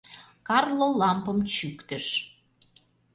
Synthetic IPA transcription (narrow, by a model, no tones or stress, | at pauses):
kɑrlolɑmpəmt͡ɕykt̪ə̆ʃ